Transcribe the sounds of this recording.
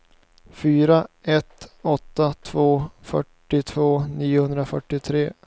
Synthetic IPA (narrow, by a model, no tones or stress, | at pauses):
fyːɾaɛt̪ɔt̪ːat̪ʰvoːfœ̰ʈːɪt̪ʰvoːniːʊhɵnd̪ɾafœʈːɪt̪ʰɾeː